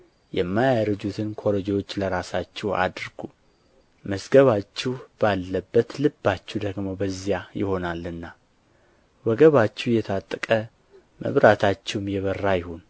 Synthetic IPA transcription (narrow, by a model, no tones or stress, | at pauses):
jɛmːajaɾəd͡ʒut̪ʰɨnkʰoɾod͡ʒewo̞t͡ʃːləɾasat͡ʃːɛwa̰d̪ɾɡ̥u | məsɡəβat͡ʃːɛhb̥alːəbːət̪lɨbːat͡ʃːɛwd̪əɡmo̞bəzːijajɪho̞nalɨnːa | wəɡəβat͡ʃːɛwjɛt̪ʰat̪ʼːəkʼə | mə̰βɾat̪ʰat͡ʃːɛwmjɛβərːajɪhun